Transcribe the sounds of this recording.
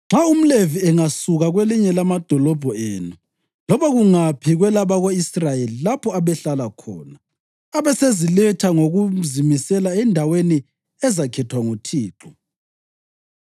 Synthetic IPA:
ŋ͡ǁʱaum̩leviɛŋasuɣaɣweliɲɛlamad̥ʱɔlɔb̥ʱɔḛːnu | lɔβaɣuŋapʰiɣwɛlaβaɣoisrajelilapʰɔaβɛɬalakʰɔ̰ːnaː | βɛsezilɛtʰaŋoɣuzimisɛlaɛndʱaweni | ɛzakʰɛtʰwaŋutʰiːǃɔ

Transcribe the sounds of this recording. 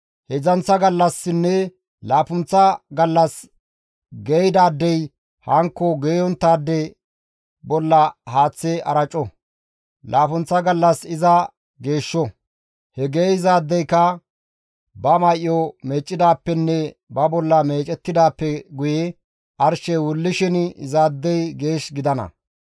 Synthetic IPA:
hɛzɐnt͡sːɐɡɐlːɐsːɪnːɛ | laːpʊnt͡sːɐɡɐlːɐs | ɡejd̪aːd̪ːɛj | hɐŋkːɔɡeːjɔnt̪ːaːd̪ːɛ | bɔlːɐhaːt͡sːeɐɾɐt͡ʃʼːɔ | lʔaːpʊnt͡sːɐɡɐlːɐsɪzɐ | ɡe̞ːʃːɔ | hɛɡeːjzaːd̪ːɛjkɐ | bɐmɐjʔjɔmeːt͡ʃʼːɪd̪aːpːɛnːɛbɐbɔlːɐme̞ːt͡ʃʼɛt̪ːɪd̪aːpːɛɡʊjɛ | ʔɐɾʃɛwʊlːɪʃɪnzaːd̪ːɛjɡe̞ːʃɡɪd̪ɐnɐ̰

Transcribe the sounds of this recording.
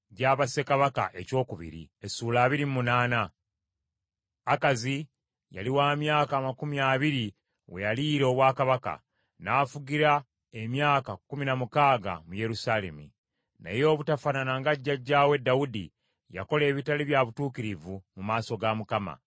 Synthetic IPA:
ɟaːβase̞kaβaka̰ʔe̞co̞ːkuβḭɾḭesuːlaːβiɾimmunaːna | kazi | ja̰liwaːmjaːkaːmakumijaːβiɾi | we̞̰jaliːɾe̞oβwaːkaβaka̰ | naːfuɡiɾa | e̞mjaːkakuminamukaːɡa̰muje̞ɾusaːle̞̰mṵ | nḛjo̞ːβutafananaŋɡaɟːaɟːaːwe̞dːawudḭ | ja̰ko̞le̞ːβitaliβjaβutuːkiɾivumumaːso̞ɡamukama̰

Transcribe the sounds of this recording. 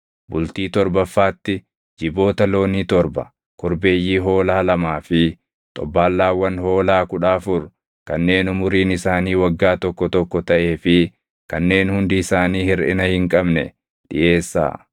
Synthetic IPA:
bʊlt̪iːt̪ɔɾbɐfːaːt̪ːɪ | d͡ʒɪbo̞ːt̪ɐlo̞ːniːt̪ɔɾbɐ̰ | kʰɔɾbe̞ːjːiːɦo̞ːlaːlɐmaːfɪ | t̪ʼɔ̰bːaːlːaːwːɐnho̞ːlaːkʊᶑaːfʊɾ | kɐnːe̞ːnʊmʊɾiːnɪsaːniːwɐɡːaːt̪ɔkːɔt̪ɔkːɔt̪ɐʔe̞ːfɪ | kɐnːe̞ːnhʊnd̪ɪːsaːniːhɪɾɪ̰nɐhɪŋkʼɐbnɛ̰ | ᶑɪ̰ʔe̞ːsːa̰ː

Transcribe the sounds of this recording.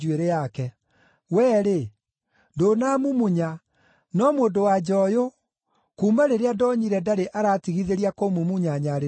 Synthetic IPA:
ueɾejakɛ | wɛːɾe | ndonaːmumuɲa | nɔmoːndowad͡ʑɔjo | kuːmaɾeɾeadɔɲiɾɛdaɾeʔaɾaːtiɣiðeɾiakomumuɲaɲaɾe

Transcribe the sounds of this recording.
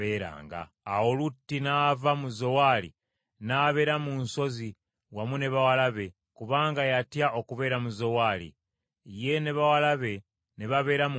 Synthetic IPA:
eːɾa̰ːŋɡa̰ːwolutːinaːvamuzo̞walḭ | naːβe̞ːɾamunso̞zi | wamune̞βawalaβe̞ | kuβaːŋɡajatjaʔo̞kuβe̞ːɾamuzo̞waːlḭ | je̞ne̞βawalaβe̞ | neβaβe̞ːɾam

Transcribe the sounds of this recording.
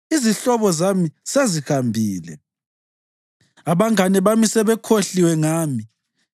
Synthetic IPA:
iziɬɔβɔzamisezihambʱiːlɛ̰ | aβaŋanɛβamisɛβɛkʰoɬiwɛŋaːmi

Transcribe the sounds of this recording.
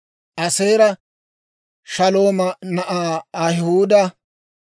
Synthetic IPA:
ʔɐse̞ːɾɐ | ʃɐlo̞ːmɐnɐʔaːɐhhuːd̪ɐ

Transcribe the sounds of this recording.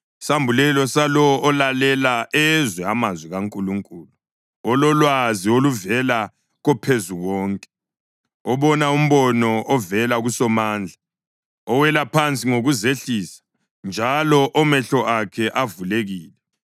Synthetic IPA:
sambʱulɛlɔsalɔʔːlalɛlaɛzwɛamazwiɣaŋkʼuluŋkʼuːlu | ɔlɔlwazioluvɛla | ɣɔpʰezuɣɔːŋkʼɛ̥ | ɔβɔnaum̩βɔnɔʔɔvɛlaɣusɔmaːnd͡ɮʱa | ɔwɛlapʰant͡sʼiŋoɣuzeɬiːsḁ | nd͡ʒʱalɔʔɔmɛɬɔʔakʰɛʔavuleɣiːlɛ

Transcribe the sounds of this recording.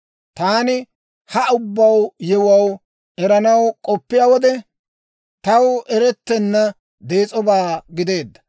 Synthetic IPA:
t̪aːnɪ | hɐʊbːɐwjɛwɐw | ʔɛɾɐnɐwkʼɔpːɪjaːwɔd̪ɛ | t̪ɐwɛɾɛt̪ːɛnːɐ | d̪e̞ːt͡sʼɔbaːɡɪd̪e̞ːd̪ːɐ̥

